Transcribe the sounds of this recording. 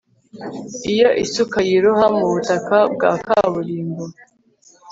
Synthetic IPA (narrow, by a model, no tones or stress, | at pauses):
ijo̞ʔisukajiɾuhamuβutakab̚ɡa̰ːkaβuɾiːmbo